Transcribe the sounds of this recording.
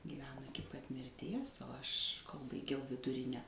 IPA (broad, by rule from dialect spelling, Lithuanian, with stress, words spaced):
ɡʲiːˈʋʲæːnoː ˈɪkʲɪ pɐt mʲɪrʲˈtʲiɛs oː ˈɐʃ koːlˠ bɐɪˈɡʲɛʊ ʋʲɪdʊˈrʲɪnʲɛ